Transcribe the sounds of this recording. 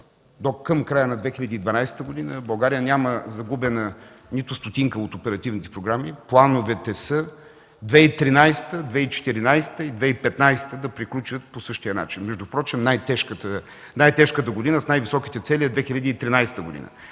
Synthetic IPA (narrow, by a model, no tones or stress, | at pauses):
d̪okəmkɾajənɐd̪vɛxilʲɐd̪iːd̪vɐnajsɛ̥t̪əɡod̪inəbɐlˠɡaɾijənʲaməzɐɡubɛnə | nit̪ʊst̪ot̪iŋkəot̪opɛɾɐt̪ivnit̪ɛ̥pɾoɡɾamiplˠanovɛt̪ɛsə | d̪vɛit̪ɾinajsɛ̥t̪əd̪vɛit͡ʃɛ̥t̪iɾinajsɛ̥t̪əid̪vɛipɛt̪najsɛ̥t̪əd̪ɐpɾiklʲut͡ʃət̪̚posɤʃt̪ijəna̰t͡ʃinmɛʒd̪ʊpɾɔt͡ʃɛmnajt̪ɛʃkət̪ə | najt̪ɛʃkət̪əɡod̪inəsnajvisɔkit̪ɛt̪sɛliɛd̪vɛxilʲɐd̪iːt̪ɾinajsɛ̥t̪əɡod̪ḭnə̰